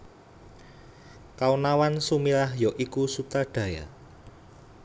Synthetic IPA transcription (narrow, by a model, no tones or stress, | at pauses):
kaunawansumilahjɔʔikusut̪aɖ̥a̤ja̰